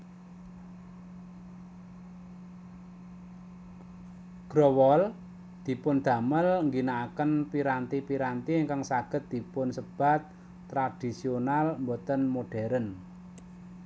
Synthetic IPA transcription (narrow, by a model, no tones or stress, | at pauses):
ɡ̥ɾowɔl | d̪̥i̤pʊnd̪̥ä̤məlŋɡinaːkənpiɾant̪ipiɾant̪iŋkaŋsaɡ̥ə̤t̪̚d̪̥i̤pʊnsəb̥a̤t̪̚ː | ɾad̥i̤sionalmbɔt̪ənmoɖ̥ɛ̤ɾən